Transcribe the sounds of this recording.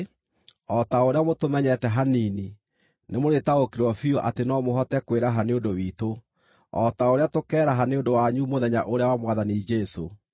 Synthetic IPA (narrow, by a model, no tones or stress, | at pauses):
ɔtaoɾeamotomɛɲɛtɛɦanini | nemoɾetaɣokiɾwɔfioʔatenɔmoɦɔtɛkweɾaɦaneondowiːto | ɔtaoɾeatokɛːɾaɦaneondowaɲumoðɛɲaʔoɾeawamwaðanid͡ʒɛso̰